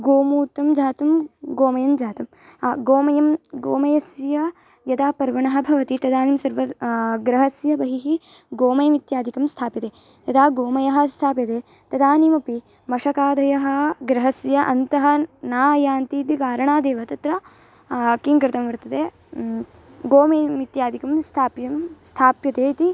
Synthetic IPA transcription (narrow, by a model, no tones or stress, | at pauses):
ɡoːmuːt̪ːɐmd͡ʒʱaːt̪ɐmɡoːmɐjɐmd͡ʒaːt̪ɐm | ɡoːmɐjɐmɡoːmɐjɐsjɐ | jɐd̪aːpɐɾʋɐɳɐɦɐ̆bʱɐʋɐt̪it̪ɐd̪aːnimsɐɾʋɐɡɾɐɦɐsjɐbɐɦiɦi | ɡoːmɐjɐmit̪jaːd̪ʱikɐmst̪ʰaːpit̪eː | jɐd̪aːɡoːmɐjɐɦɐ̆st̪ʰaːpit̪eː | t̪ɐd̪aːnimɐpi | mɐʂɐkaːd̪ɐjɐɦɐ̆ɡɾɐɦɐsjɐʔɐnt̪ɐɦɐnaːjaːnt̪iːt̪ikaːɾɐɳaːd̪eːʋɐt̪ɐt̪ɾɐ | kiŋkɾɪt̪ɐmʋɐɾt̪ɐd̪eː | ɡoːmɐjmit̪jaːd̪ʱikɐmst̪ʰaːpjɐmst̪ʰaːpjɐt̪eːit̪i